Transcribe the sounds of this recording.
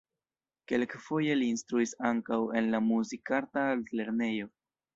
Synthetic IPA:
ke̞lkfo̞je̞liːnst̪ɾuisaŋkawe̞nlamuzikaɾtaltle̞ɾne̞jo̞

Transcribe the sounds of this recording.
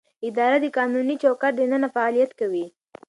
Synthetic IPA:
ɪd̪ɑɾad̪əkɑnunit͡ʃawkaɾd̪ənənafaɑlijat̪kawi

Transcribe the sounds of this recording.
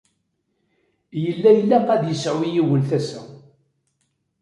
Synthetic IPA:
jəlːæjəlːæqæd̪jəsʕwijiwəlθæsæ̰

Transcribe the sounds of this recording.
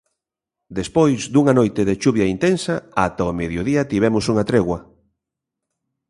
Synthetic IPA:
d̪espojzd̪uŋanojt̪eðet͡ʃuβjɐint̪ensaat̪aomeðjoðiɐt̪iβɛmʊsuŋat̪ɾeɣwɐ

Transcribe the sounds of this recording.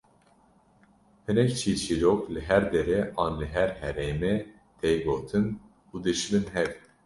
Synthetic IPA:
pɨnɛct͡ʃʰit͡ʃʰiːɾoklɨɦæɾd̪ɛɾɛʔɑːnlɨɦɛɾhɛɾeːmɛ | t̪ʰɛjɡoːt̪ʰɨn | ud̪ɨʃmɨnɦɛv

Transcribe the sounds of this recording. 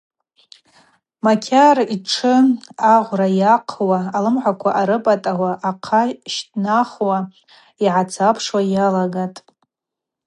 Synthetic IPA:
makʲʰariʈ͡ʂʰɨaʁʷrajaqʰwaːlɨmħʷakʷʰaʔaɾɨpʼatʼawaʔːqʰaʃtʼnaχwa | iʕat͡sʰapʰʂwajalaɡatʼ

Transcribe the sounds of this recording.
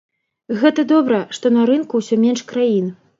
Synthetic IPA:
ɣɛt̪ɐd̪ɔbɾɐʂt̪ɔnɐɾɨnkusʲɔmʲɛnʂkɾajin

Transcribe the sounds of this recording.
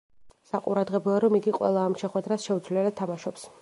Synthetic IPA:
saqʼṵɾad̪ʁɛblˠɔaɾɔmiɡiqʼwɛ̰lˠaːmʃɛχwɛd̪ɾasʃɛud̪zvliɛlat̪ʰːamaʃɔps

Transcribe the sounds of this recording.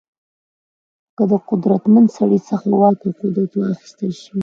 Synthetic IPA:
kəd̪əqʊd̪ɾat̪mand̪saɽisəxawɑkoqud̪at̪waaxi̥st̪əlʃi

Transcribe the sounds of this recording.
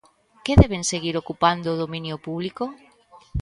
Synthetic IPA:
keðɛβ̞eŋseɣiɾokupand̪oːðomĩnjʊpuβliko

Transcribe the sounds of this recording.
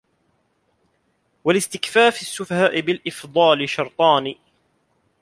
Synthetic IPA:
walɪst̪ɪkfaːfɪsːʊfahaːʔɪbɪlʔɪfd̪ˤɑːlɪʃɑɾˤt̪ˤɑːniː

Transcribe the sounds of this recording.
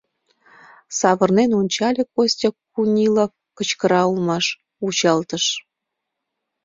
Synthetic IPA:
sɑβə̆rnenonʲt͡ɕɑlʲekosʲtʲəkunʲilof | kət͡ɕkəɾɑulmɑʃ | ut͡ɕɑlt̪əʃ

